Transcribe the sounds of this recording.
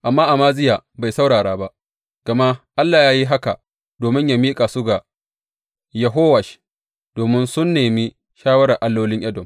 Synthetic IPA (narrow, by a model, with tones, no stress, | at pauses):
ʔa˨mːaː˦ʔa˨maː˦zɪ˦jaː˨ba˨jsa˦wɽaː˨ɽaː˦ba˦ʔ | ɡ̥ɐ˨ma˦ʔa˦lːaː˨jaː˦ji˦ɦa˦ka̰˨ | d̥oː˨mɪ˦ɲja˨miː˦kʼa˨sʊ˦ɡa˨ | jɐ˨ɦoː˦wɐ˨ʃ | d̥oː˨mɪ˦nsʊ˦nːeː˨mi˦ | ʃaː˦wɐ˦ɽɐ˨ʔa˨lːoː˦lɪ˦ɲʔɐ˦dɔ˨m